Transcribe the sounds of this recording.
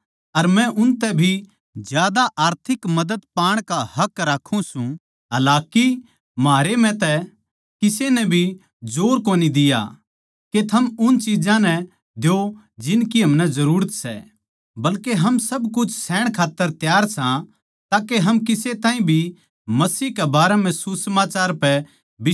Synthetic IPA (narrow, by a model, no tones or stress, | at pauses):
ɐɾmɛ̃ʔʊnt̪ɛbʱi | d͡ʒjaːd̪aʔaːɾt̪ʰɪkmɐd̪əd̪paːɽ̃kahɐkɾaːkʰːũsũ | ɦɐlaːki | maːɾemɛ̃t̪ɛ | kɪsenɛbʱi | d͡ʒoːɾkoːnid̪ɪja̰ | ket̪ʰɐmʊnt͡ʃiːd͡ʒãnɛ | d̪jo | d͡ʒɪnkiɦɐmnɛzɐɾuːɾət̪sɛ̰ | bɐlkeɦɐmsɐbkʊt͡ʃʰsɛːɽ̃kʰaːt̪ːəɾt̪jaːɾsã | t̪aːkeɦɐmkɪset̪ãːĩbʱi | mɐsiːɦkɛbaːɾɛm̤ɛ̃susəmaːt͡ʃaːɾpɛ | bɪ